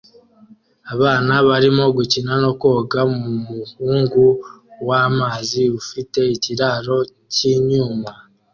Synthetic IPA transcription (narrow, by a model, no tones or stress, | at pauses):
aβaːnaβaɾimo̞ɡucinano̞ko̞ːɡamumuhuːŋɡuwaːmaːziβufite̞iciɾaɾo̞ | ciɲuːma